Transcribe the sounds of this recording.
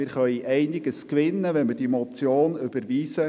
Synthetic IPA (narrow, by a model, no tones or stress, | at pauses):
ɪɾχœʏiʔɛɪnɪɡəskʋɪnːəʋɛnmɪd̥imɔt͡sjoːnʏb̥əɾviːsə